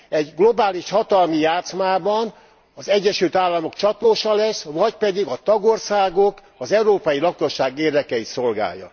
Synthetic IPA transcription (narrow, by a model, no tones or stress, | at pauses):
ɛɟɡlobaːliʃhɒt̪ɒlmijaːt̪smaːbɒn | ɒzɛɟːɛʃylt̪aːlːɒmo̞kt͡ʃɒt̪oːʃɒlɛsvɒcpɛd̪iɡɒt̪ɒɡo̞rsaːɡo̞k | ɒzɛuɾoːpɒjilɒkoʃːaːɡeːrd̪ɛkɛit̪so̞lɡa̰ːjːɒ̰